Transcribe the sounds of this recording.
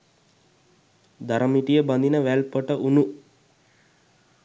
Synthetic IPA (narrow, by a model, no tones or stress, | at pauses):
d̪aɾəmiʈijəband̪inəʋælpəʈəʔunu